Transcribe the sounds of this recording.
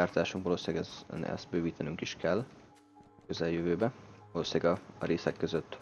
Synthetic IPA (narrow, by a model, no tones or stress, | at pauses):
aːrt̪aːʃuŋkʋɒloːsiaɡɛɛ̰st̪̚bøːviːt̪ɛnyŋkiʃkɛlː | køzɛljøvøːbɛvɒloːsaːɡɒɾeːsɛkːøzøt̪ː